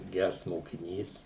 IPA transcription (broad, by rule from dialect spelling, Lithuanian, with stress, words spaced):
ˈɡʲærs moːkʲɪˈnʲiːs